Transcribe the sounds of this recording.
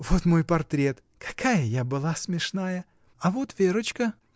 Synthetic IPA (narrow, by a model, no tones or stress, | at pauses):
vot̪mo̞jpɐrt̪ɾʲet̪ | kʰɐ̥kʰajəjabɨlˠasmʲɪʂnajə | ɐvot̪vʲeɾət͡ɕkə